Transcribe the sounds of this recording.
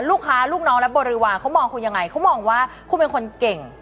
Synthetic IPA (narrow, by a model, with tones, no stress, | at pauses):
luː˥˩kʰːaː˦˥luː˥˩k̚nɔː˦˥ŋlɛ˦˥bo˨˧˩t̚ɾɯː˧waː˧˩kʰa˦˥wmɔː˧ŋkʰu˧nja˧ŋːa˧jkʰa˦˥wmɔː˧ŋwaː˥˩ | kʰuː˧˩pe˧nkʰo˧nke˨˩ŋ